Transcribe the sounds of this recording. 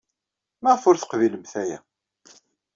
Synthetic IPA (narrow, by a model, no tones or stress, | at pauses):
mæʁfʊɾθə̥qviləmθæjæ̰